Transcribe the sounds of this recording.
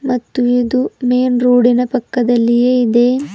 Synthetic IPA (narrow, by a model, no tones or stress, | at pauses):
mɐt̪ːuiːd̪umeːnɾuːɽinɐpɐkːɐd̪ɐlːijeːid̪e̞